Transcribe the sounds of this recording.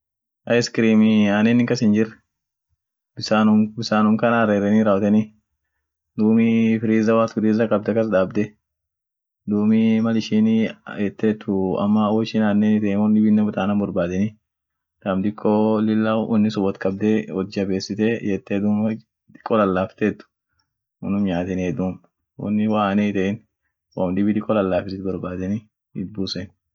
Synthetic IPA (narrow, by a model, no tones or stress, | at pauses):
ʔɐjskɪɾiːmɪaːneːnɪŋkɐsɪnd͡ʒɪr | bɪsaːnʊbɪsaːnʊmkɐnɐɾeːɾɛniːɾawt̪ɛni | d̪uːmifɪɾiːzɐwaːt̪fɪɾiːzɐkʼɐb̚d̪ɐkɐs̬d̪aːbd̪ɛ | d̪uːmɪmɐlɪʃiːnjɛt̪ːeːt̪ʰːʊɐ̰mːɐɔɪʃɪnaːnːenɪt̪ɛːmɔnːɪbɪnːɛbʊt̪aːnɐbɔɾbaːd̪ɛnɪ | t̪ɐmd̪ɪkʰʼːolɪlːaʔɔnːɪsɔbɔt̪kʼɐb̚d̪ɛwɔd͡ʒɪɐbe̞ːsːɪt̪ɛjɛt̪ːeːd̪uːm | d̪ɪ̥kʼːɔlɐlːaːft̪eːt̪ːʊ̥ | ɔ̰nʊmɲaːt̪ɛnːd̪uːm | ɔ̰nːɪwaːnɛɪt̪ɛɪn | wɔ̰md̪ɪbɪd̪ɪkʼːɔlɐlːaːfɪsɪt̪bɔɾbaːd̪ɛnɪ | ɪt̪̚buːsɛn